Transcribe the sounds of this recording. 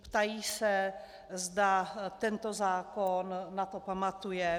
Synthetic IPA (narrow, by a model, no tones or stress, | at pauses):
pt̪ajiːsɛ | zdat̪ɛnt̪ozaːkonːat̪opamat̪ujɛ